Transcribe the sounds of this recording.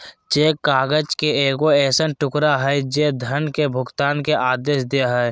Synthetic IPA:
t͡ʃeːkaːɡəd͡ʒkeeːkoɛːsənʈʊkɾaɦɛd͡ʒeːd̪ʱənkebʱʊɡt̪aːnkeʔaːd̪eːʃd̪eɦɛ

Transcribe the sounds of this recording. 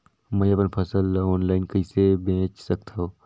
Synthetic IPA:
mə̃jɐpənpʰɐsəlɔːnlaːɪnkəɪsebẽːt͡ʃsɐk̚t̪ʰaɦoː

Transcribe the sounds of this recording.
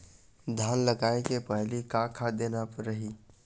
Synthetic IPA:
d̪ʱanləɡaekepəɦlikakʰad̪enapəɾəɦi

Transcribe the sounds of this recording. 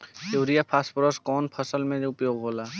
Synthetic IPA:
eːɾijapʰasʈpɾəskɔːnpʰəsəlmẽʊpjoːɡɦoːlaː

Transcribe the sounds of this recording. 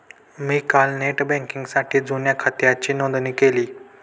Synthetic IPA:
miːkalneʈbɛ̃ŋkiŋɡsaʈʰiːd͡zunjakʰat̪jat͡ɕiːnõnd̪niːkeliː

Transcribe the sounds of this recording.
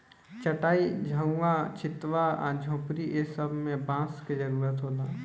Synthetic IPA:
t͡ʃəʈaːid͡ʒʱə̃ʋat͡ʃɪt̪ʋaa̰d͡ʒʱõːpɾiʔesəbʱmẽbãːsked͡ʒəɾuːɾət̪ɦoːlaː

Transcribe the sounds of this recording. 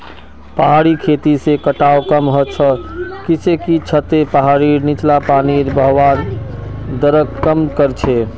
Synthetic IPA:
pəɦaɾikʰet̪isekəʈaokəmɦət͡ʃʰəkit͡ʃekit͡ʃʰət̪epəɦaɾinit͡ʃlapaniɾbəɦwan | d̪əɾəkkəmkəɾt͡ʃʰe

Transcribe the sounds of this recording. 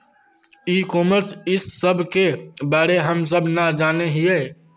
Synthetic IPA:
iːkoːməɾt͡ʃɪsːəbʱkebaːɽeɦəms̬əbʱnad͡ʒaːneɦieː

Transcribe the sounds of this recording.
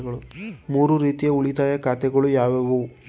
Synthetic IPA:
ɣɐɭumuːɾuɾiːt̪ijeuɭit̪aːjɐkaːt̪ɛɡɐɭujaːʋɐʋu

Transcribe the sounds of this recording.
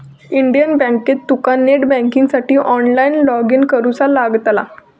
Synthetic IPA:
iɳɖijənbɛ̃ŋket̪ːukaneʈbɛ̃ŋkĩŋɡsaʈiːʔɔnlainlɔɡinkəɾut͡salaɡt̪la̰

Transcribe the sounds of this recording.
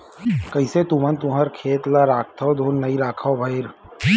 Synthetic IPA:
kɐiset̪ʊmənt̪ʊɦəɾkʰeːt̪laɾaːk̚t̪ʰaod̪ʱoːnːɐiɾaːkʰaobʱaiɾ

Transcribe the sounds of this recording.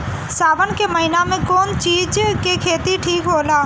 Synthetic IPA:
saːbənkeməɦɪnamẽkɔːnt͡ʃiːd͡ʒkekʰeːt̪iʈʰiːkɦoːlaː

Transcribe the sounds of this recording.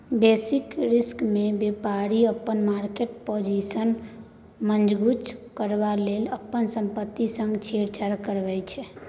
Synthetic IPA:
besikɾiskmebepaɾiəpːənmaɾkeʈpod͡ʒisən | mənd͡ʒʱɡut͡ʃkəɾbaleləpːənsəmpət̪ːisə̃ŋɡt͡ʃʰeɾt͡ʃʰəɾkəɾbɛjt͡ʃʰɛ

